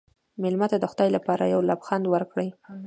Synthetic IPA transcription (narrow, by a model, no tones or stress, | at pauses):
mɪlmat̪ad̪əxʊd̪ɑjlapɑɾajawlabxand̪wəɾkɽəj